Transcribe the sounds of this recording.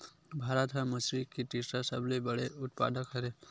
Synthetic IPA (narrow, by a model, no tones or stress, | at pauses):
bʱaːɾət̪ɦãməsɾikiʈisasəblebəɽeʊt̪̚pa̰ːd̪əkɦɐɾe